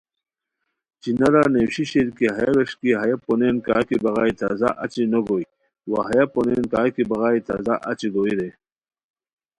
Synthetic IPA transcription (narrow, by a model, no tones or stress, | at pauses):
t͡ɕinɐɾanewɕiɕeɾkiɦɐjaweʂkiɦɐjaponenka̰ːkibɐɣaːit̪aːzaʔɐt͡ɕinoɡoːj | wa̰ɦɐjaponenkaːkibɐɣaːit̪a̰zaʔɐt͡ɕiɡoːiɾe